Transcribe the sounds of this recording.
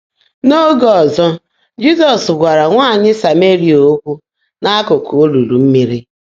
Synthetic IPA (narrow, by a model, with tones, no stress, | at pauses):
no˦ɡɔ˨zɔ˦ | d͡ʒi˦sɔ˨sɡʷa˨ɾa˨ŋʷaː˦˨ɲɪ˦sa˨me˦ɾi˨oo˦kʷu˦ | na˦kʊ˨ku˨o˦lu˨lu˨m̩˦mi˦ɾi˦